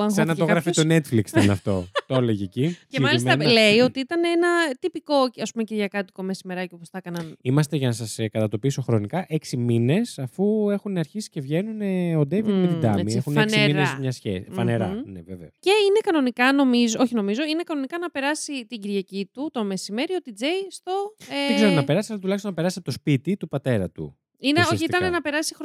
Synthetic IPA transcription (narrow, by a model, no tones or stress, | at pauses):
ɐsenɐoɣɾɐfit̪onet̪fliksineɐft̪o̞̰t̪oleʝeciceɐlismɐnle̞io̞t̪iit̪ɐneenɐt̪ipiko̞ɐspumeciɾʝɐkɐt̪iko̞mesimeɾɐcoposθɐkɐnɐnimɐst̪e̞ʝɐnɐsɐskɐt̪ɐt̪o̞piso̞xɾo̞nikɐʔeksimine̞sɐfue̞xuneɐɾçisi̥ce̞vʝe̞nuneo̞d̪evimet̪d̪ɐ̰miexuneksimiɾnezmɲɐsçḛfɐneɾɐ̰nḛvevḛosce̞ine̞kɐno̞nikɐno̞mizoo̞çino̞mizo̞ine̞kɐno̞nikɐnɐpeɾɐsit̪iɟiɾʝɐcit̪ut̪o̞me̞sime̞ɾio̞t̪id͡ze̞jst̪o̞ezeɾonɐpe̞ɾɐsi̥t̪ɐlɐt̪ulɐçst̪onɐpeɐsiɐpt̪o̞spit̪it̪upɐt̪e̞ɾɐt̪ṵ | ineosiit̪ɐnenɐpe̞ɾɐsixɾ